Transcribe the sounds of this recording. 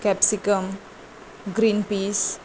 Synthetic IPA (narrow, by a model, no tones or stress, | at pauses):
kɛpsikəm | ɡɾinpis